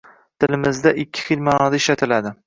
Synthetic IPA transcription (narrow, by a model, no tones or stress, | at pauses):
t̪ʰɪlɪmɪzd̪aʔɪkʲʰːɪ̥χilmaːnɒd̪aɪʃlat̪ʰɪlad̪ɪ